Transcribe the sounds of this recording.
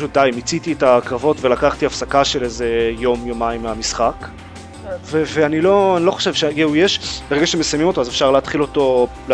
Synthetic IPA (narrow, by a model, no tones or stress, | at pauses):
ʃut̚d̪aimit͡sit̪ietakʁavo̞tve̞lakaχt̪iafsakaʃe̞leze̞jo̞mjomaimːeamisχak | veveanilo̞anilo̞χoʃe̞vʃejeujeʃbe̞ʁeɡaʃemesajmimo̞to̞azefʃaʁleat̪χilo̞to̞ | l